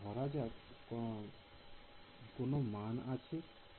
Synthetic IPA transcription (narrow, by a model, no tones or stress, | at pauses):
ɦɔɾad͡ʒak | konomanat͡ʃʰe